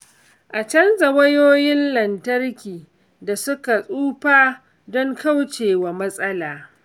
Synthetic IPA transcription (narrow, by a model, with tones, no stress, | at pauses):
ʔa˨t͡ʃɐ˦nzɐ˨wɐ˦joː˦jɪ˦nlɐ˨ntɐ˦rkʲiː˨ | da˨sʊ˦ka˨sʼuː˦ɸaː˦ | dɔ˦ŋka˦wt͡ʃeː˨wa˨mɐ˦sʼɐ˦laː˨